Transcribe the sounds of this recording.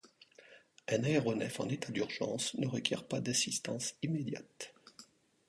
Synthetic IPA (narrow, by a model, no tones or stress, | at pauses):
ɛ̃naeʁɔnɛ̰fɑ̰̃net̪ad̪yʁʒɑ̰̃snəʁəkʲjɛ̰ʁpad̪asist̪ɑ̃simed̪ja̰t̪